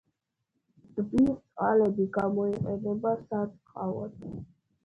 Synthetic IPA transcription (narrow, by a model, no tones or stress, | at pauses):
d̪̥bit̪sʼqʼalɛbiɡamɔiqʼɛnɛbasat̪sqʼa̰vɔ̰d̪